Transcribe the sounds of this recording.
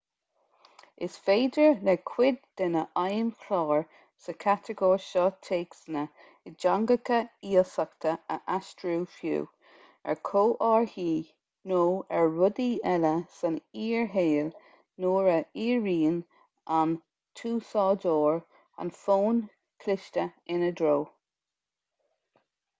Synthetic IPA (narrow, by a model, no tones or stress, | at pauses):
ɪsfeːdəɹlɛkʰwɪd̪̚ːɛnəʔajənkʰlɑːɹ | səkʰat̪ʰəɡɔːɹʃɔt̪ʰeːksənə | ɪd͡ʒaŋɡəkəiːəsakt̪ʰəəʔastɹuːfjṵː | ɛ̰ɹkʰoːʔɑːɹhiː | noːɛɹːʊd̪iːʔɛləsəniːɹɦeːl | noːɹəiːɹiːn | ʔan | t̪ʰuːsɑːdoːɹ | a̰nfoːn | kʰlɪʃtəɪnəd̪ɾoː